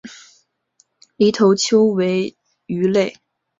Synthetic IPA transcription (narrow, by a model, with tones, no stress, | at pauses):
li˧˥t̪ʰo˧˥ʊt͡ɕʰjo˥ʊwe˧˥ɪ | y˧˥le˥˩ɪ